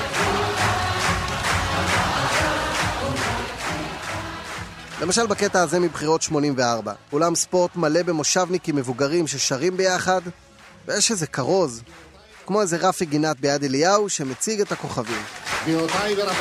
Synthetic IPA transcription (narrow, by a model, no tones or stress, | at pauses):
lʔe̞maʃalbake̞taːze̞mibχiʁo̞tʃmo̞nimve̞aʁba̰ulamspo̞ʁt̪male̞be̞mo̞ʃavnikimːe̞vuɡaʁimʃe̞ʃaʁimbe̞jaχad | vejeʃeze̞kaʁo̞z | kmo̞eze̞ʁafiɡinat̪̚bejadelijauʃe̞met͡siɡe̞tako̞χavimiot̪aiv